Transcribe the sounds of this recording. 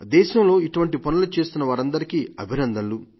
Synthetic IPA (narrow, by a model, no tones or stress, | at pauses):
d̪ɛːʃɐmlo̞ːiʈuʋɐɳʈipɐnulut͡ʃe̞ːst̪unːɐʋaːɾɐnd̪ɐɾikiɐbʱinɐnd̪ɐlu